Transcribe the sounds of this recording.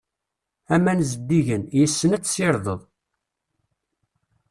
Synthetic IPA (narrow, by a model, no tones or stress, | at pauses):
æmænzəd̪ːiʝənjəsːənæt͡sːsiɾˤðˤəðˤ